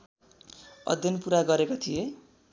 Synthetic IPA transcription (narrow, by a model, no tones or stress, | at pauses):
ʌ̰d̪ʱjʌnpuɾaɡʌɾekot̪ʰije